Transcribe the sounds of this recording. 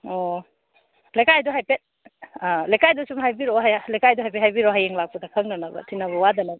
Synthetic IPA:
o | lajkajduɦajpet̚ | alajkʰajdusumɦajbiɾoɦalajkajduɦajpʰethajbiɾoɦajeŋlak̚pɐdɐkʰɐŋnɐnɐbɐ̰tʰinaβɐwadɐnɐbɐ

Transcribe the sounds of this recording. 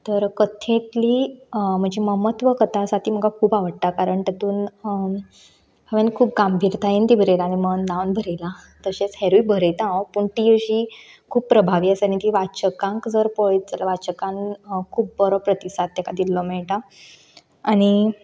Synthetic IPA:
t̪əɾkət̪ʰẽt̪liːm̤əɡd͡ʑeməmət̪ʋəkət̪ʰasat̪iːm̤əɡkakʰuːbaʋəɽt̪akaɾəɳt̪ət̪uːn | bəʋjanikʰuːp̚ɡambʱiɾt̪ʰaint̪ibʱəɾelaːñiməndãwnbʱəɾela | t̪əɕet͡sheɾuibʱəɾet̪ãõpuɳʈiəɕi | kʰuːbpːɾəbʱaʋiːəsanit̪iʋat͡ɕəkãŋkd͡zəɾpojd͡zəlaʋat͡ɕəkãŋkʰuːpbəɾɔpɾət̪isat̪̚ːɛkad̪ilːɔmeɭʈa | aɽ̃i

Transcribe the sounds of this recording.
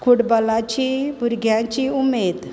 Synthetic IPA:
kuɽbəlãt͡ɕibuɾɡʱjãt͡ɕiumed̪

